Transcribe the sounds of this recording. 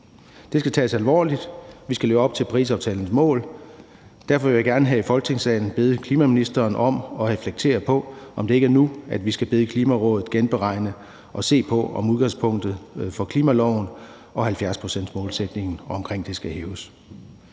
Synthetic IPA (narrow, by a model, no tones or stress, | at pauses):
d̥e̝sɡ̥æt͡sʰɛ̰ːsælʋɒ̰ːlid̥ʋisɡ̥æleːʊɒ̽b̥̚t͡sʰe̝lpʰʁḭːs̬ɒʊt͡sʰɛːln̩smɔ̰̽ːl | d̥æɐfɒʋe̝jäɡæɐnəɦæifɒ̽lɡ̥ə̥t͡sʰeŋsɛ̰ɪn̩b̥e̝ð̞̩ˠəkʰliːmæminisd̥ɐːnɒ̽mɒ̽ʁɛfleɡ̥̚t͡sʰe̝̰ːɐpʰɒ̽ɒ̽md̥e̝e̝ɡ̥æɐnuæd̥ʋisɡ̥æb̥e̝ð̞ˠəkʰliːmæʁɔ̽ːðð̩ˠɡ̥enb̥eʁɑ̈ɪ̰nə | ʔɒ̽se̝̰ːpʰɒ̽ɒmuðˠɡ̥ɑ̈ŋspʰɔ̽ŋ̰d̥ð̩ˠfɒ̽kʰliːmælɒʊn̩ | ʔɒ̽hælfjæɐspʰʁo̝sen̰d̥mɔ̽ːlsed̥ne̝ŋn̩ɒɒ̽mkʰʁeŋ̰d̥e̝sɡ̥æheːʊs